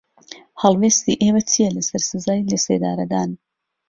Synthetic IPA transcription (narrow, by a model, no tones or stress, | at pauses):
halˠveːst̪iʔeːmɐt͡sijelesɐɾsɨzaːjlesḛːd̪a̰ːɾɐd̪aːn